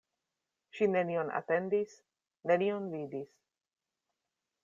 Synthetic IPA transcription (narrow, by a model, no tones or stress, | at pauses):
ʃine̞nio̞na̰te̞ndis | ne̞nionvidis